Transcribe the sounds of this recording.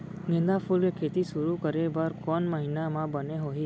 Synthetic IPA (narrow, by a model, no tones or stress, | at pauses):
nɪ̃nd̪apʰulkekʰeːt̪iʃʊɾukəɾebəɾkɔːnməɦiːnamãbəneɦoːɦiː